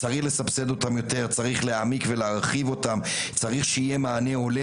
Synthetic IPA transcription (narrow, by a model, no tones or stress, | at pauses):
t͡saʁiχle̞sapse̞d̪o̞tamjo̞te̞ʁt͡saʁiχleamikve̞leaʁχivo̞tam | t͡saʁiχʃeijemaːne̞o̞le